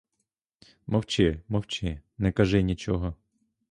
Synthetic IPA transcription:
mɐwt͡ʃɪmɐwt͡ʃɪnɛkɐʒɪnʲit͡ʃɔɦɔ

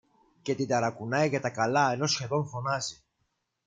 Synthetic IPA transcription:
ce̞t̪id̪ɐɾɐkunɐjʝɐt̪ɐkɐlɐe̞no̞sçe̞ðo̞ɱfo̞nɐzi

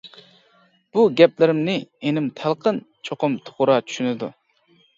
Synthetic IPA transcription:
b̥uɡʲɛplɪɾɪmnɪenɪmt̪ʰælˠqʰənt͡ʃʰoqʊmt̪ʰo̥ʁʊɾɑt͡ʃʰy̥ʃynɪd̪ṵ

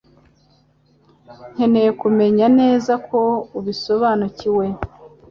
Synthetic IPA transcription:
ŋ̥e̞nejekume̞ɲane̞ːzakʰo̞uβiso̞βaːnuciwe̞

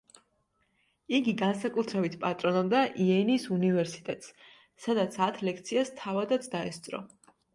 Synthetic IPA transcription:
iɡiɡansakʼut̪ʰɾɛbit̪ʰpʼat̪ʼɾɔnɔbd̪aʔiɛnisunivɛɾsi̥t̪ʼɛt̪ʼs | sad̪at̪sʰat̪ʰlɛkʰt̪sʰiast̪ʰavad̪at̪sʰd̪aɛst̪sʼɾɔ̰

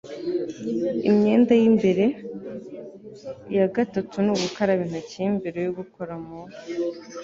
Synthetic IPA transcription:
ḭmɲe̞ːndajimbe̞ɾe̞ | ijaɡatatunuβukaɾaβiːn̥ucimbeɾejoɡukoɾamunu

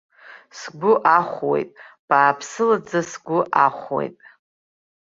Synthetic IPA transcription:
sɡʷʊʔaχʷwḛjtʼb̥aːpʰsɨlad͡zasɡʷʊʔaχʷwḛjtʼ

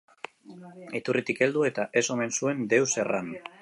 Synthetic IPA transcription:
et̪urʔit̪ike̞ld̪ue̞t̪aʔe̞so̞me̞nsue̞nd̪e̞wse̞ran

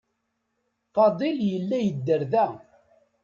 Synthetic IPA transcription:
fɑd̪ˤiljəlːæjəd̪ːəɾðæ

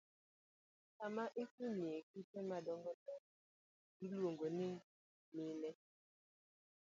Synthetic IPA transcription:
amaʔikumiekitɛmadɔŋɡɔtɔ | dulwoŋɡonɪ | milɛ

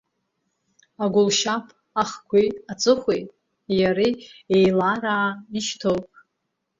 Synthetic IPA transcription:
aɡʷʊlʃapʰʼ | aχɡʷʰijat͡sʼɨχʷejtʼ | jaɾiejlaraiʃtʰowpʼ

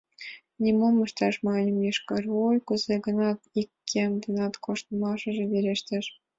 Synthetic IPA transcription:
nʲimomɤ̆ʃt̪ɑʃmɑnʲɤ̆mjeʃkɤ̆rojkuzeɡə̆nɑt̪ikːemd̪ɤ̆nɑt̪kʰoʃt̪ə̆mɑʃɤ̆ʒĕβeɾʲeʃt̪ʲĕʃ

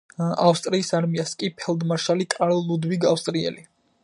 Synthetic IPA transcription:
afst̪ʼɾiːsaɾmiaskʼipʰɛld̪maʃalikʼaɾlud̪wiɡafst̪ʼɾiɛ̰li

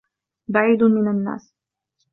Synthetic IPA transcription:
baʕiːd̪mɪnanːa̰ːs

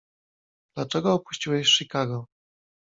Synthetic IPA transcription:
d̪̥lat͡ʂɛɡɔːpu̥ɕt͡ɕiwɛɕʂikaɡɔ

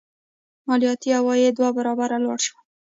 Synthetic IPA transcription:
mɑlijɑt̪ihawɑjed̪wabaɾɑbaɾalwɑ̰ɽʃwa

